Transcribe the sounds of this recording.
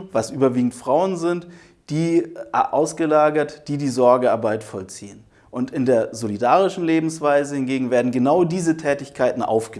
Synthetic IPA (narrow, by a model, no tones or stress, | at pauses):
vasʔyːbɐviːɡŋ̩tfʁ̥aʊənzɪnt | d̥iːʔa̰ʊsɡ̥əlaːɡɐtd̥iːdiːzɔɐɡəaɐbaɪtfɔlt͡siːən | ʔʊntɪndeːɐzolidaːʁɪʃn̩leːbm̩sv̥aɪzəhɪnɡeːɡŋ̩veːɐdn̩ɡənaʊdiːzətʰɛːtɪçkʰaɪtn̩ʔa̰ʊfɡ̥ə